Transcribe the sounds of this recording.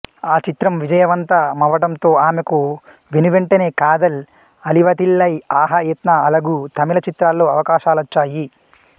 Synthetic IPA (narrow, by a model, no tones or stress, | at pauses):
aːt͡ʃit̪ɾɐmʋid͡ʒɐjɐʋɐnt̪ɐmɐʋɐɽɐmt̪o̞ːaːmeku | ʋinuʋeɳʈɐne̞ːkaːd̪ɐl | ɐliʋɐt̪ilːɐjaːɦɐeːt̪nɐɐlɐɡut̪ɐmilɐt͡ʃit̪ɾaːlːo̞ːɐʋɐkaːʃaːlɐt͡ʃːaːji